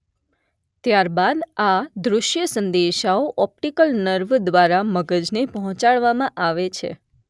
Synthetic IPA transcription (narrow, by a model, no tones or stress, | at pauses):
t̪jaɾbad̪ad̪ɾʊʃjəsə̃nd̪eʃaoʔɔp̚ʈikəlnəɾʋəd̪ʋaɾaməɡəd͡ʒnepəɦɔ̃t͡ʃaɭʋamãʔaʋet͡ʃʰḛ